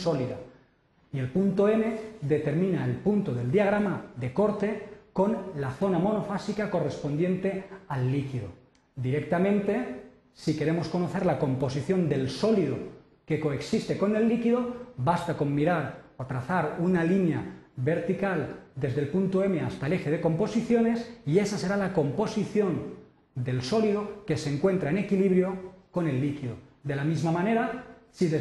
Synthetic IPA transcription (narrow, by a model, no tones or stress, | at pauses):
soliða | ie̞lpunt̪oe̞me̞ðe̞t̪e̞ɾmĩnaelpunt̪oðe̞ld̪iaɣ̞ɾamaðe̞ko̞ɾt̪e̞ko̞nlaθo̞namo̞no̞fasikako̞re̞spo̞nd̪jẽ̞nt̪e̞alːikiðo̞̰ | d̪iɾek̚t̪amẽnt̪e̞ | sike̞ɾe̞mo̞sko̞noθe̞ɾlako̞mpo̞s̬iθjo̞nd̪e̞lso̞lið̞o̞ | ke̞ko̞eksist̪e̞ko̞ne̞lːikiðo̞βast̪ako̞mːiɾaɾot̪ɾaθaɾunalinjaβe̞ɾt̪ikald̪e̞zðe̞lpunt̪oe̞me̞ast̪aele̞xeð̞eko̞mpo̞siθjo̞ne̞sie̞sase̞ɾalako̞mpo̞siθjo̞n | d̪e̞lso̞liðoke̞se̞ŋkwe̞nt̪ɾaene̞kiliβɾjo̞ko̞ne̞lːikiðoðe̞lamizmamãne̞ɾasie